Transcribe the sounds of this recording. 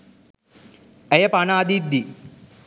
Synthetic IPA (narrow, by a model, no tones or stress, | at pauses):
ɛjəpanaːd̪id̪ːi